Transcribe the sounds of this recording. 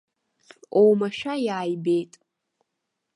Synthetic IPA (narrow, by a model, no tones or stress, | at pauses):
owmaʃᶣajaːjbejtʼ